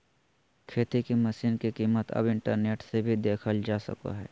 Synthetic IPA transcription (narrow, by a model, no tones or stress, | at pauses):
kʰeːt̪ikiməsiːnkikiːmət̪ɐ̰bɪ̃ɳʈəɾneːʈsebʱid̪eːkʰəld͡ʒaːsə̰ka̰ɦɛː